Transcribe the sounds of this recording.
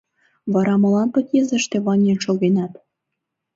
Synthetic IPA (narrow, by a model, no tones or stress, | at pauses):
βɑɾɑmɤ̆lɑnpə̆k̪jezə̆ʃt̪ĕβɑnʲenʃoɣenɑt̪